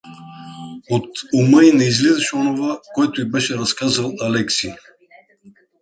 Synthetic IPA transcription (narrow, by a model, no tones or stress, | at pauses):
ot̪uməinɛizlɛzɛʃɛɔnovakoɛt̪oibɛʃɛɾaskazalˠalɛksi